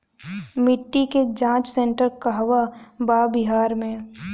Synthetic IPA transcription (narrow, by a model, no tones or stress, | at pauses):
mɪʈːiked͡ʒãːt͡ʃsẽɳʈəɾkaɦɐʋabaːbɪɦaːɾmẽ